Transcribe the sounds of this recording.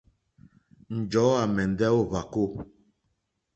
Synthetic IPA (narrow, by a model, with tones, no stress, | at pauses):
n̩˨d͡ʒɔ˨˦a˨mɛ˨n˨dɛ˦o˦˨va˨ko˦˨